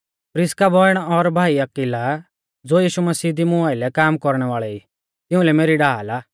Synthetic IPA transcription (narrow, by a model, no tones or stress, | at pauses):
pɾɪskabɔːjɽ̃ɔɾbʱaːiakila | d͡zoːjiːʃumɐsiːd̪imʊaːɪlɛkaːmkɔɾɽ̃ɛʋaːɭɛiː | t̪ɪ̃ʊ̃lɛmeːɾiɖaːlaː